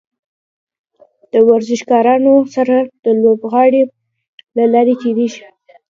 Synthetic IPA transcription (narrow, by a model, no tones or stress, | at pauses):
d̪̥əwaɾzɪʃɡɑɾɑnosaɾad̪̥əlobɣɑɽe | lalɑɾet̪eɾeʒi̥